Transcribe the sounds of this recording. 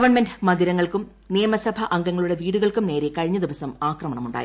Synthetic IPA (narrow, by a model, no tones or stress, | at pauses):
ɐʋɐɳmendmɐnd̪iɾɐŋːɐɭkum | nijɐmɐsɐbʱɐʔɐŋɡɐŋːɐɭuɽe̞ʋiːɽuɣɐɭkumne̞ːɾe̞kɐɻiɲːɐd̪iʋɐsɐmaːkrɐmɐɳɐmuɳɖa̰ji